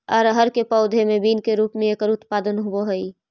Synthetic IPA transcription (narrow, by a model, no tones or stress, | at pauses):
ɔɾɦəɾkepɔʊd̪ʱemẽbiːnkeɾuːpmẽeːkəɾʊt̪paːd̪ənɦʊwoɦɐi